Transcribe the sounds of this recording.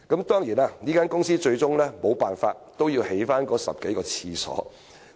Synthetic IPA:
kɐ˨˥mt̪ɔː˥ŋjiː˨˩naː˧niː˥kaː˥nkʊ˥ŋsiː˥t͡ʃɵ˧ɥt͡sʊ˥ŋlɛː˥mo˨˧wpaː˨nfaː˧t̚t̪o˥wjiː˧whe˨˥jfaː˥nkɔː˨˧˥sɐ̰˨p̚ke˨˥jkɔː˧t͡sʰiː˧sɔ̰ː˨˥

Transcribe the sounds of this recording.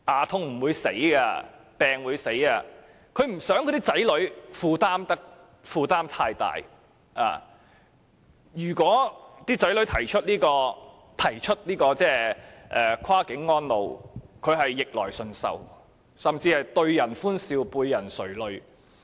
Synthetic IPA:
ʔaː˨t̪ʰʊ˧ŋm̩˨˩wuː˨˧jse˨˥jɡa˧pɛː˨ŋwuː˨˧jse˨˥jaː˧ | kʰɵ˨˧˥ɥm̩˨˩sœː˨˥ŋkʰɔ˨˧t̪iː˥t͡sɐ˨˥jlɵ˨˥ɥfuː˧t̪aː˥mt̪ɐ˥k̚ | fuː˧t̪aː˥mt̪ʰaː˧jt̪a̰ː˨j | ʔa̰ː˨˩ | jyː˨˩kʷɔː˨˥t̪iː˥t͡sɐ˨˥jlɵ˨˥ɥt̪ʰɐ˨˩jt͡ʃʰɵ˥t̚niː˥kɔː˧ | t̪ʰɐ˨˩jt͡ʃʰɵ˥t̚niː˥kɔː˧t͡sɛː˥ʔɛː˨kʰaː˥kɪ˨˥ŋːɔː˥nlo˨wkʰɵ˨˧ɥɦɐ˨jːɪ˨k̚lɔ̰ː˨˩jsɵ˧nsɐ̰˨w | sɐ˨mt͡siː˧hɐ˨jt̪ɵ˧ɥjɐ˨˩nfuː˥nsiː˧wpuː˧jːɐ˨˩nsɵ˨˩ɥlɵ˨˧ɥ

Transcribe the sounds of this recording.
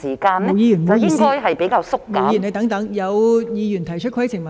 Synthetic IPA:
siː˨˩kaː˧nɛ˥˨˧wjiː˧jy˨˩ɐ˨ɪ˧˥ŋkɔː˥jɦɐ˨jpe˨˥jkaː˧wsʊ˥kːɐ˨jne˨˧t̪ɐ˨˥ŋt̪ɐ˨˥ŋjɐ˨˧wjiː˧jyː˨˩nt̪ʰɐ˨˩jt͡ʃʰɵ˥t̚kʰjt͡sʰɪ˨˩ŋwɐ˨˩

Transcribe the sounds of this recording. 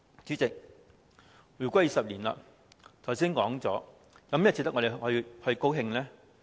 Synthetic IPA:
t͡syː˨˥t͡sɪ˨k̚ | jyː˨˩kʷɔ˧˦˥jiː˨˧˩sɐ˨p̚liː˨˩nla̰˧˨ | t̪ʰwsiː˥nkɔː˨˥ŋt͡sɔː˨˥ | jɐ˨˥m˥tʰt͡siː˧t̪ɐ˥ŋɔ˧d̪e˨˩hɥhɵ˧ɥko˥wɦɪ˧ŋlɛː˥

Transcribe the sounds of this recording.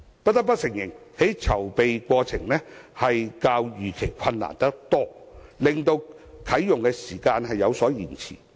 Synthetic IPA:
pɐ˥t̚t̪ɐ˥k̚pɐ˥t̚sɪ˨˩ŋjɪ˨˩ŋhe˨˥jt͡sʰɐ˨˩wpe˨jkʷɔː˧t͡sʰɪ˨˩ŋlɛː˥hɐ˨jkaː˧wjyː˨˩kʰe˨˩jkʰɐ˧nla̰ː˨˩nt̪ɐ˥k̚t̪ɔː˥lɪ˨˩ŋt̪o˧wkʰɐ˨˥jjʊ˨ŋkɛː˧siː˨˩kaː˧nɦɐ˨jːɐ˨˧wsɔː˨˥jiː˨˩nt͡sʰḭː˨˩

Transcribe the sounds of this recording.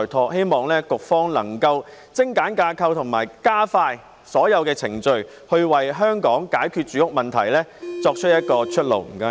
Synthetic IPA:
t̪ʰɔː˧k̚he˥jmɔː˨˩ŋlɛː˥kʊ˨k̚fɔː˥ŋlɐ˨˩ŋkɐ˧w | t͡sɪ˥ŋkaː˨˥nkaː˧kʰɐ˧wt̪ʰʊ˨˩ŋmaː˨˩jkaː˥faː˧j | sɔː˨˥jɐ˨˧wkɛː˧t͡sʰɪ˨˩ŋt͡ʃɵ˧ɥ | hɵ˧ɥwɐ˨jɦœː˥ŋkɔː˨˥ŋkaː˨˥jkʰyː˧t̚t͡ʃyː˨˥ʊ˥k̚mɐ˨nt̪ʰɐ̰˨˩jlɛː˥t͡sɔː˧k̚t͡ʃʰɵ˥t̚jɐ˥t̚kɔː˧t͡ʃʰɵ˥t̚lo̰˨˩wm̩˨˩kɐ˧

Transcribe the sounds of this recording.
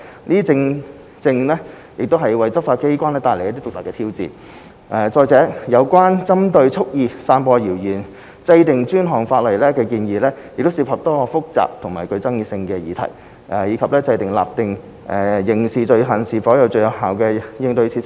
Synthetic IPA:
niː˥t͡sɪ˧ŋ | t͡sɪ˧ŋlɛː˥ | jɪ˨k̚t̪o˥wɦɐ˨jwɐ˨˩jt͡sɐ˥p̚faː˧t̚ke˥jkʷaː˥nlɛː˥t̪aː˨˧jle˨˩jɐ˥t̪i˥tʊ˨t̪ɐ˨˩kːɛ˧t̪ʰiː˥wt͡sḭː˨˩ | ʔɛː˨˩t͡sɔː˧jt͡sɛː˨˥jɐ˨˧wkʷaː˥nt͡sɐ˥mt̪ɵ˧ɥt͡sʰʊ˥k̚jiː˨˧saː˧npɔː˧jiː˨˩wjiː˨˩n | t͡sɐ˧jt̪ɪ˨˩ŋt͡ʃyː˥nɦɔː˨˩ŋfaː˧t̚lɐ˨˩jlɛː˥kɛː˧kiː˧njiː˨lɛː˥jɪ˨k̚t̪o˥wsiː˧˩phɐ˨p̚t̪ɔː˥˧fʊ˥k̚t͡sa̰ː˨p̚t̪ʰʊ˨˩ŋmaː˨˩kɵ˧ɥt͡sɐ˥ŋjiː˧sɪ˧ŋkɛ˧jiː˨t̪ʰɐ̰˨˩j | ʔɛ˨˩jiː˨˧kʰɐ˨p̚lɛː˥t͡sɐ˧jt̪ɪ˨˩ŋla̰ː˨˩p̚t̪ɪ˨˩ŋ | ʔɛ˨˩jɪ˨˩ŋsiː˨t͡ʃɵ˧ɥɦɐ˨˩nsiː˨fɔː˨˥jɐ˨˧wt͡ʃɵ˧ɥjɐ˨˧˩wɦaː˨˩wkɛː˧jɪ˧ŋt̪ɵ˧ɥt͡sʰiː˨˥

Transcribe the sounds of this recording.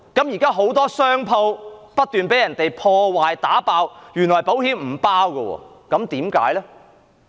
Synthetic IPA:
kɐ˨˥mji˨˩kaː˥ɦo˨˥wt̪ɔː˥sœː˥ŋpʰo˧wpɐ˥t̚t̪yː˨npe˨˥jɐ˨˩nt̪e˨jpʰɔː˧waː˨jt̪aː˨˥paː˧wjyː˨˩nlɔː˨˩jpo˨˥whiː˨˥mm̩ː˨˩paː˥wkɛ˧wɔ̰ː˧ | kɐ˨˥mt̪iː˨˥mka̰ː˨˥jlɛ˥

